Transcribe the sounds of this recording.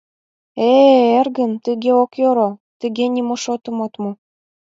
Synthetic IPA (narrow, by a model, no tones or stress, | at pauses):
eerɣənt̪əɣeokjoɾot̪ə̆ɣenʲimoʃot̪ɤ̆mot̪mu